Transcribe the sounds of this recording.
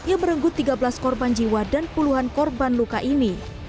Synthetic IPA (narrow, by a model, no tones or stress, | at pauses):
ijaməɾəŋɡʊt̪ːiɡabəlaskɔrband͡ʒiwadanpuluɦankɔrbanlukaʔini